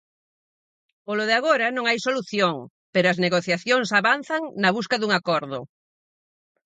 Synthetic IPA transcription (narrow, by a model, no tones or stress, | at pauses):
poloðeaɣ̞oɾɐnõŋajsoluθjoŋ | peɾoʊɐzneɣoθjaθjoŋsaβanθaŋnɐβuskɐðuŋakoɾðʊ